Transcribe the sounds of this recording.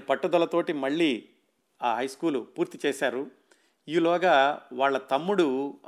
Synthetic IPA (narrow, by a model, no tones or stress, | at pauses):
pɐʈːud̪ɐlɐt̪o̞ːʈimɐɭːiː | aːɦɐjskuːlupuːɾt̪it͡ʃɛːʃaːɾu | iːlɔːɡɐʋaːɭːɐt̪ɐmːuɽu